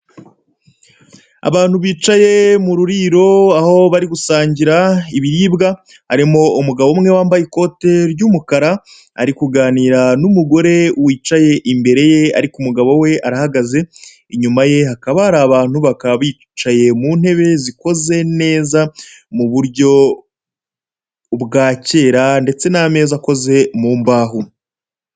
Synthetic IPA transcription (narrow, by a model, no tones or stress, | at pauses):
a̰βaːn̥huβiːt͡ʃaje̞muɾuɾiːɾo̞aho̞βaɾiɡusaːɲɟiɾaiβiɾiːbɡa | haɾimo̞umuɡaβomŋe̞waːmbajiko̞te̞ɾɟumukaɾa | a̰ɾikuɡaːniːɾanumuɡo̞ɾe̞wiːt͡ʃaje̞ʔimbe̞ɾe̞je̞a̰ɾikumuɡaβo̞we̞aɾahaɡaze̞ | iɲumaje̞akaβaɾaːβaːn̥huβakaββiː | t͡ʃaje̞mun̥he̞βe̞ziko̞ze̞ne̞ːzamuβuɾɟo̞ | bɡaːce̞ːɾande̞t͡se̞name̞ːzako̞ze̞muːmbaːɦu